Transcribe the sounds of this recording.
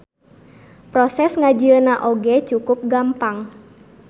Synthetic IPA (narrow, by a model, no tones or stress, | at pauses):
pɾɔsɛsŋad͡ʒiənaʔoɡɛt͡ʃukʊp̚ɡampaŋ